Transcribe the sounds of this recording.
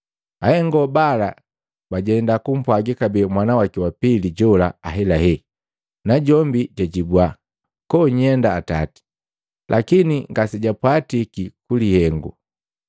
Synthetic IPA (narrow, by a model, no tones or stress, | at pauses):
ahɛŋɡɔbala | baɟɛndakum̩pwaɡikabɛːmwanawakiwapiliɟɔlaaɦɛlahɛ | naɟɔmbiɟaɟibwa | kɔɲɛndaːtati̥ | lʔakiniŋɡasiɟapwatikikulihɛŋɡṵ